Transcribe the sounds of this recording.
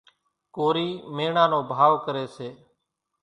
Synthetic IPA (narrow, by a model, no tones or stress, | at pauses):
koːɾiːmeːɳãːnoːbʱaːʋkəɾeːseː